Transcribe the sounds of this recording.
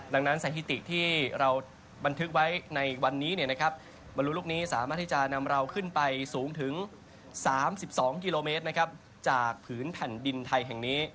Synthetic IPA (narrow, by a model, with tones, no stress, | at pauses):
da˧ŋna˦˥nsa˨˦jt̪i˧˩t̪i˨˩t̪ʰiː˥˩ɾa˧w | ba˧nt̪ʰɯ˦˥k̚wa˦˥jna˧jwa˧nːiː˦˥ni˥˩ɐna˦kʰa˦˥p̚ | ba˧nɾu˦˥luː˥˩k̚niː˦˥saː˩˦maː˦˥˩t̪ʰːiː˥˩t͡ɕa˨˩na˧mɾa˧wkʰɯ˥˩npa˧jsuː˩˦ŋt̪ʰɯ˨˩˦ŋ | saː˩˦msi˨˩p̚sɔː˩˦ŋk̬i˧loː˧meː˦˥t̪̚na˦˥kʰɾa˦˥p̚ | t͡ɕaː˨˩k̚pʰɯː˩˦˥npʰɛː˨˩ndi˧nt̪ʰa˧jɦɛ˨˩ŋniː˦˥